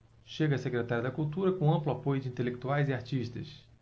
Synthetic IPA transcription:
ʃeɡɐsekɾet̪aɾjɐd̪ɐkuwt̪uɾɐkõɐ̃mplʊapojʊd͡ʒɪĩnt̪elek̚t̪uajzɪaɾt͡ʃiʃt̪ɐ̰s

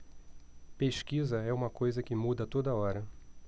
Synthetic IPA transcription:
peʃkizɐɛũmɐkojzɐkɪmud̪ɐt̪od̪ɐɔɾɐ

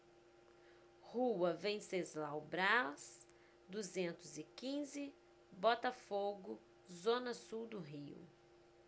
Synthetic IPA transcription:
huɐvẽj̃sezlawbɾas | d̪uzẽnt̪ʊzɪkĩzɪ | bɔt̪ɐfoɡʊ | zõnɐsuwd̪ʊɦiʊ̰

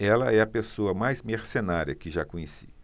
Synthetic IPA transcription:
ɛlɐɛɐpesoɐmajzmeɾsenaɾjɐkɪʒakõɲesi̥̰

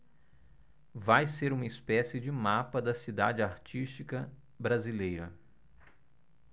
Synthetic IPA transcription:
vajseɾũmɐispɛsɪd͡ʒɪmapɐd̪ɐsid̪a̰d͡ʒɪaɾt͡ʃist͡ʃikɐ | bɾazilejɾɐ

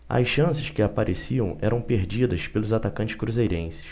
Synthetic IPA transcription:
ɐ̰sʃɐ̃sɪʃkɪapaɾʔesiɐ̃w̃ɛɾɐ̃w̃peɾd͡ʒid̪ɐʃpelʊzat̪akɐ̃nt͡ʃɪ̥ʃkɾuzejɾẽsɪ̥ʃ

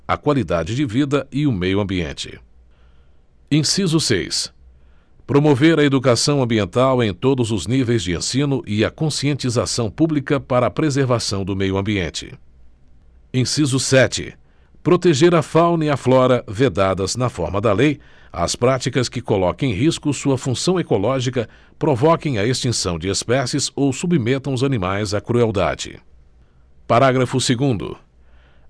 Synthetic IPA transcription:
ɐ̰kwalid̪ad͡ʒɪd͡ʒɪvid̪ɐɪʊmejʊɐ̃mbiḛ̃nt͡ʃɪ̰ | ẽsizʊsḛjs | pɾomoveɾɐed̪ukasɐ̃w̃ɐ̃mbiẽnt̪awẽj̃t̪od̪ʊzʊznivejzd͡ʒɪḛ̃sĩnʊʔɪɐkõsiẽnt͡ʃizasɐ̃w̃publikɐpaɾɐːpɾezeɾvasɐ̃w̃d̪ʊmejʊɐ̃mbiẽnt͡ʃɪ̰ | ẽsizʊsɛt͡ʃɪ̰ | pɾot̪eʒeɾɐfawnɐiɐflɔɾɐved̪ad̪ɐznɐfɔ̰ɾmɐd̪ɐlej | ɐ̰spɾat͡ʃikɐskɪkolɔkɐ̃ẽɦiskʊsuɐfũsɐ̃w̃ekolɔʒikɐ | pɾovɔkẽj̃ɐest͡ʃĩsɐ̃w̃d͡ʒɪespɛsɪzowsubimet̪ɐ̃w̃ʊzɐnimajzɐkɾuɛwd̪a̰d͡ʒɪ̰ | paɾaɡɾɐfʊseɡũd̪ʊ̰

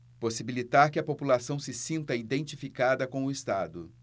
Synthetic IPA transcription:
posibilit̪aɾkɪɐpopulasɐ̃w̃sɪsĩnt̪ɐid̪ẽnt͡ʃifikad̪ɐkõw̃ʊɪst̪ad̪ʊ

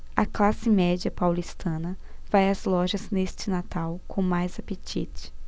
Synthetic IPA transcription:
ɐklasɪmɛd͡ʒiɐpawlist̪ʰɐ̃nɐfajɐzlɔʒɐznest͡ʃɪnat̪awkʰõmajzapet͡ʃit͡ʃɪ̥

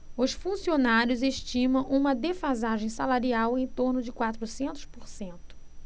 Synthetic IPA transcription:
ʊsfũsionaɾjʊzeʃt͡ʃĩmɐ̃w̃ʔũmɐd̪efazaʒẽj̃salaɾiawẽj̃t̪oɾnʊd͡ʒɪkwat̪ɾʊsẽnt̪ʊ̥spoɾsẽnt̪ʊ̥

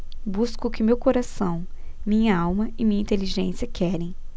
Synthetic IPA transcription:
buskʊkɪmewkoɾasɐ̃w̃ | mĩɲɐawmɐɪmĩɲɐĩnt̪eliʒẽsjɐkʰɛɾẽj̃

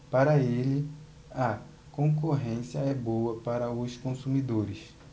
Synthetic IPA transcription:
paɾɐelɪ | ɐ | kõkoɦẽsjɐɛbowɐpaɾɐʊskõsumid̪oɾɪs

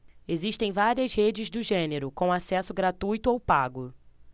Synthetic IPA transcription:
eziʃt̪ẽj̃vaɾiɐzhed͡ʒɪzd̪ʊʒẽneɾʊkõasɛsʊɡɾat̪ujt̪ʊowpaɡʊ

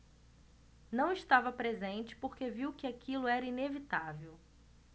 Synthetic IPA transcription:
nɐ̃w̃ɪʃt̪avɐpɾezẽnt͡ʃɪ̥poɾkeviwkɪakʰilʊɛɾɐinevit̪avew

